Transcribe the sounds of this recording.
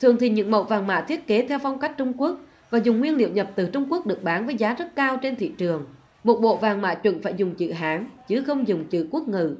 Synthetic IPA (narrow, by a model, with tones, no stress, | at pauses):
t̪ʰɨ˨˩əŋt̪ʰi˨˩ɲɨ̰˧˥ŋmɓo̰˧˨vaː˨˩ŋma̰ː˧˨t̪ʰi˦˥ət̚ke˨˦t̪ʰɛ˧wfɔ˧wŋ͡mka˦˥jk̟̚t͡ɕʊ˧ŋ͡mku˦˥ək̚ | vaː˨˩zʊ˨˩ŋ͡mŋːwi˧ənlḭ˧˨əwɲə˨˩p̚t̪ɨ˨˩t͡ɕʊ˧ŋ͡mku˦˥ək̚ɗɨ˨˩ək̚ɓaː˨˦nvəː˨˦jzaː˨˦zə˦˥t̚kaː˧wt͡ɕe˧nt̪ʰḭ˧˨t͡ɕɨ˨˩əŋ | mo˨˩t̚ɓo̰˧˨vaː˨˩ŋma̰ː˧˥t͡ɕwə̰˧˥nfaː˧˩jzʊ˨˩ŋ͡mt͡ɕɨ̰˧˨ɦaː˨˦ŋt͡ɕɨ˨˦xə˧wŋ͡mzʊ˨˩ŋ͡mt͡ɕɨ̰˧˨ku˦˥ək̚ŋɨ̰˧˨